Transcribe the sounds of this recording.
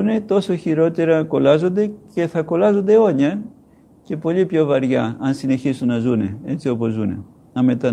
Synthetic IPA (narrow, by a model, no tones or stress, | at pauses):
une̞t̪o̞so̞çiɾo̞t̪e̞ɾɐko̞lɐzo̞nd̪e̞ce̞θɐko̞lɐzo̞nd̪eo̞ɲɐ | ce̞po̞ʎipço̞vɐɾʝɐɐnsine̞çisunːɐzune̞e̞t͡sio̞po̞zunḛ | ɐme̞t̪ɐ